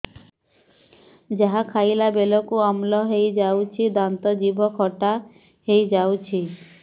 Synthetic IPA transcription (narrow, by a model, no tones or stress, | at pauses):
d͡ʒaɦakʰajlabelɔkuamlɔɦejd͡ʒawt͡ʃʰid̪ant̪ɔd͡ʒibɔkʰɔʈa | hejd͡ʒawt͡ʃʰi